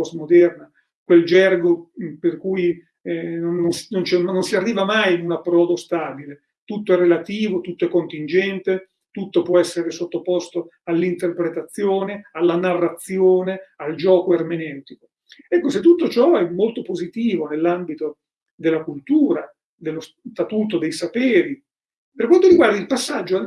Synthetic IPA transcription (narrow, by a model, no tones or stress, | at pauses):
ɔsmod̪ɛrna | kweld͡ʒɛrɡoperkuj | nonːonsnont͡ʃɛnnːonsiarːiːvamajnunapːɾɔːd̪ost̪aːbile | t̪ut̪ːoɛrːelat̪iːvot̪ut̪ːoɛkːont̪ind͡ʒɛnt̪e | t̪ut̪ːopwɔɛsːeɾesot̪ːopost̪oalːint̪erpɾet̪at̪sːjoːnealːanarːat̪sːjoːneald͡ʒɔːkoermenɛwt̪iko | ɛkːoset̪ːut̪ːot͡ʃɔɛmːolt̪opozit̪iːvonelːambit̪o | d̪elːakult̪uːɾa | d̪elːos | t̪at̪uːt̪od̪ejsapeːɾi | perkwant̪oɾiɡward̪ailpasːad͡ʒːo